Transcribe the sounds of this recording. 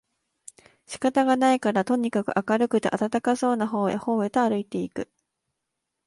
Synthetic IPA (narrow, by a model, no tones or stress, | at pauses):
ɕi̥kat̪aɡanaikaɾat̪o̞ɲ̟ikakɯ̟̰ʔakaɾɯ̟kɯ̟t̪eʔat̪at̪akaso̞ːnaɦo̞ːḛho̞ːɯt̪oaɾɯ̟it̪e̞ikɯ̟